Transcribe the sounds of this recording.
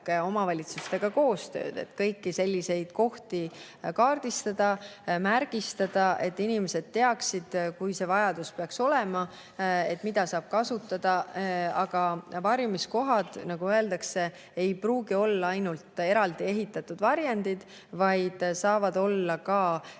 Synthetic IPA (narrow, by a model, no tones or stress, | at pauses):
keo̞mɑvɑlʲit̪sust̪e̞ɡ̥ɑko̞ːst̪ø̞̰ːd̪̥e̞̰t̪kɤjkːise̞lʲːise̞jd̪̥ko̞ht̪i | kɑːrd̪̥ist̪ɑd̪̥ɑmærɡ̥ist̪ɑd̪̥ɑʔe̞t̪ːˑinime̞se̞d̪̥̚t̪ːe̞ɑksid̪̥kujse̞vɑjɑd̪̥uspeɑkso̞lemɑ | e̞t̪ːˑmid̪̥ɑsɑːb̥̚kɑsut̪ˑːɑd̪̥ɑɑɡ̥ɑvɑɾjmisko̞ɦɑd̪̥nɑɡuøe̞ld̪ɑkse̞ | ejpruːɡ̥io̞lːɑɑjnult̪ˑe̞ɾɑld̪ie̞ɦit̪ːˑɑt̪ːud̪vɑɾjɑnd̪id̪̥ | vɑjd̪̥sɑːvɑd̪̥o̞lːɑkɑː